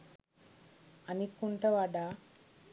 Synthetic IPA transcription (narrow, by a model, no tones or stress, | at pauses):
ɐnikuɳʈɐʋaːɖa